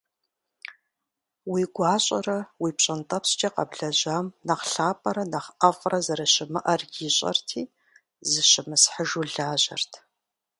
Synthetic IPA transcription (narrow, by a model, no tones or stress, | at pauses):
wiːɡʷɑːɕʼɐrɐwiːpɕʼɐntʼɐpst͡ʃʼɐqɐ̰bɮɐʑaːmnɐχɬaːpʼɐɾɐnɐχʔɐfʼrɐzɐɾɐɕɪmɨʔɐrɡiɕʼɐ̰rtʰiː | zɨɕɪmɨsħəʒuɮaːʑɐ̰rtʰ